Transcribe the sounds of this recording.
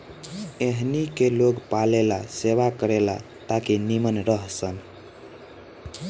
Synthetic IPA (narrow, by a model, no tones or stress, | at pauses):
eɦnikeloɡpalelaseʋakəɾela̰ | t̪akinimənɾəɦsən